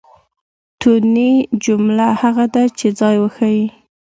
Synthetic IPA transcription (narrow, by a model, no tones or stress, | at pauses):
t̪unid͡ʒʊmlahaɣad̪at͡ʃed͡zɑjwəxawi